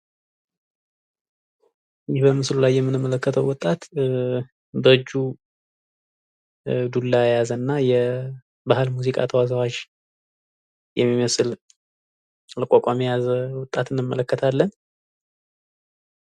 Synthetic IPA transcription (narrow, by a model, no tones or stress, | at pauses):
jɪhbəmɨslulajːɛmːɨnɨmːələkːət̪ʰəwwɔt̪ʼat̪ | bəɨd͡ʒːu | d̪ulːajazənːajɛ | bahɨlmuzikʼa̰t̪ʰəwazəwat͡ʃː | jʔɛ̰mːiməsɨl | ləkʼakʼamijazəwɔt̪ʼːat̪ɨnːɨmːə̰ləkːət̪ʰalːən